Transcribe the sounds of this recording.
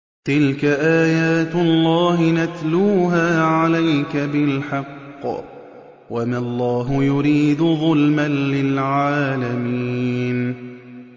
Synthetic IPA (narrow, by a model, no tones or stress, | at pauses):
t̪ɪlkaʔaːjaːt̪lˤːɑːɦɪnat̪luːɦaːʕalajkabɪlħɑqː | wamalˤːɑːɦʊjʊɾiːd̪ʊðˤʊlmanːɪlʕaːlamiːn